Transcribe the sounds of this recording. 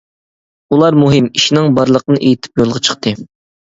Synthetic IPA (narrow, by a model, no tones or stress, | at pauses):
ulˠɑɾmuɦɪmiʃinɪŋbɑɾlˠəqənɨʔejit̪ʰɪ̥p̚jolˠʁɑt͡ʃʰə̥χt̪ʰɨ